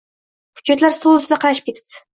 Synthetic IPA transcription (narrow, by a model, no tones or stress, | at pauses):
hʊ̥d͡ʒːat̪laɾst̪olˠɨsɪd̪aqʰɑɾaʃɪp̚kʲe̞t̪ʰɪ̥p̚t̪ʰɪ̥